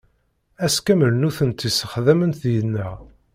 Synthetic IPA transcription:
æskæməlnuθənt̪ːisəχðæmənθjənːəʁ

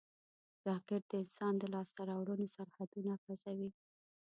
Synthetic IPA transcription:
ɾɑkɪʈ̚d̪̥əɪnsɑnd̪əlɑst̪aɾɑwɽənosaɾhad̪unaxazawi

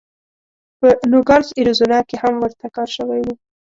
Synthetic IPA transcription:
pənuɡaɾziɾuzunɑkehamwəɾt̪akɑɾʃəwajwu

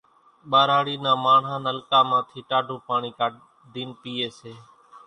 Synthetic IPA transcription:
ɓaːɾaːɽiːnãːmaːɳ̤aːnəlkaːmãːt̪ʰiːʈaːɖʱoːpaːɳ̃iːkaː | d̪iːnpiːeːseː

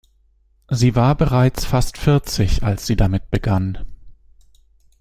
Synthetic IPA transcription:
ziːvaːɐbəʁaɪt͡sfastfɪɐt͡sɪçʔalsz̥iːdamɪt̚b̥əɡan

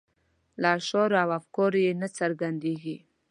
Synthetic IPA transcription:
lɑʃɑɾoawafkɑɾjenat͡saɾɡand̪eɡi

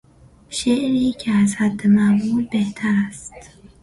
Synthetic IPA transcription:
ʃeʔɾiːcʰeæzhæd̪ːemæbuːd̪̚beht̪ʰæɾæst̪

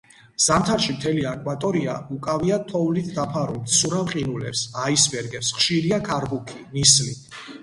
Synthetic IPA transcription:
z̥amt̪ʰaɾʃimt̪ʰɛliakʼwat̪ʼɔɾia̰ukʼaviat̪ʰɔvlit̪ʰd̪apʰaɾult̪suɾavqʼinulɛ̰psaisbɛɾɡɛpsχʃiɾiakʰaɾbukʰinisli

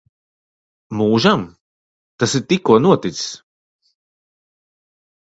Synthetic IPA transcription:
muːʒam | t̪asiɾt̪ikːuɔnuɔt̪iss

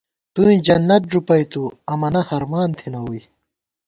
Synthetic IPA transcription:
t̪uĩd͡ʑɐnːɐt̪̚ʐupɐjt̪uɐmɐnɐhɐɾmaːnt̪ʰinɐwuj

